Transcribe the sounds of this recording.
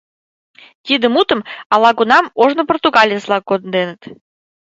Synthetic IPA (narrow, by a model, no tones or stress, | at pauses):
t̪ʲid̪ə̆mut̪ə̆mɑlˠɑɡunɑmoʐnŏport̪uɡɑlʲijəslˠɑkːod̪nd̪enə̆t̪